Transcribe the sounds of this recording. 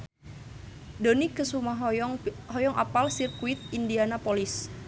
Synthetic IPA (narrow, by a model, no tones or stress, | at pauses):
donikəsumaɦɦɔjɔŋʔa̰palsirkuɪt̪̚indianapolɪs